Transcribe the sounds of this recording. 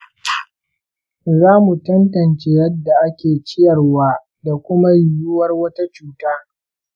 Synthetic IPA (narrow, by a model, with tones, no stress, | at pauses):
zaː˦mu˨tɐ˦ntɐ˨nt͡ʃe˦jɐ˦dːa˨ʔa˦kʲeː˨t͡ʃɪ˦jɐ˨rwaː˦ | da˨kʷʊ˦ma˦jʊ˨jʊ˦wɐ˦rwɐ˦ta˦t͡ʃuː˦taː˦